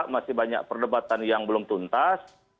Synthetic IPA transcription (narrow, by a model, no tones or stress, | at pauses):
ʔmasɪhbaɲa̰k̚pərdəbat̪anjaŋbəlʊmt̪unt̪as